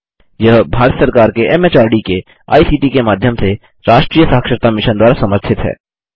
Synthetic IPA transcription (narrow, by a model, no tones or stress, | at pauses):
jɐɦbʱaːɾət̪səɾkaːɾkeɛmet͡ʃaːɾɖike | a̰ːisiːʈikemaːd̪ʱjəmse | ɾaːʃʈɾiːjəsaːɦəkʃəɾt̪amɪʃənd̪waːɾasɐməɾt͡ʃ̪ʰɪt̪ɦɛ̰ː